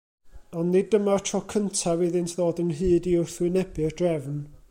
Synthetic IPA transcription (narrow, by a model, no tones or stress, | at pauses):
ɔnnidəmartʰɔkʰəntʰavɪðɪntʰðoːdənɦɨːdiʊrθwɪnɛbɨrdrɛvn